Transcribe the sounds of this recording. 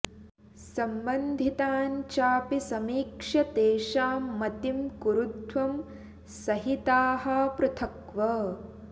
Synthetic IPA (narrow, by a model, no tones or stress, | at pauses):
sɐmbɐnd̪ʱit̪aːɲt͡ʃaːpisɐmiːkʂɐt̪eːʃaːmɐt̪imkuɾut̪ʋɐm | sɐɦit̪aːɦɐpɾɐt̪ʰɐkʋɐ